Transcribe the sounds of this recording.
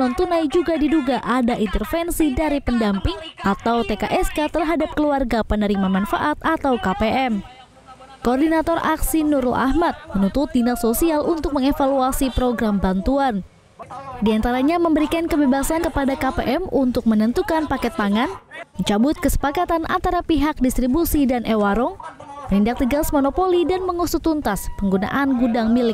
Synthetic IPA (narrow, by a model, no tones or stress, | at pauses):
nɔnt̪unajd͡ʒuɡadiduɡaʔadaʔint̪ərfɛnsidaɾipəndampɪŋat̪awt̪ekaʔɛskat̪ərɦadap̚kəluarɡapənəɾimanmanfa̰ʔat̪̚at̪awkapeʔɛm | koːrdinat̪ɔrʔa̰ksinuɾlʔa̰hmat̪̚mənut̪ʊt̪̚dinasosialʔunt̪ʊk̚məŋefaluasipɾoɡɾambant̪uan | diant̪aɾaɲaməmbəɾikankəbebasankəpadakapeʔɛmunt̪ʊk̚mənənt̪ukanpakɛt̪̚paŋanməɲt͡ʃabʊt̪̚kəsə̥pakat̪anʔa̰nt̪aɾapiɦak̚dist̪ɾibusidanʔewaɾɔŋ | mənindak̚t̪iɡasmonopolidanməŋusʊt̪unt̪aspəŋɡuna̰ʔanɡudaŋmilɪk̚